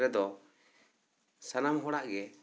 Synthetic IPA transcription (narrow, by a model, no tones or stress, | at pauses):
ɾɛd̪ɔ | sanamɦɔɽaʔɡɛ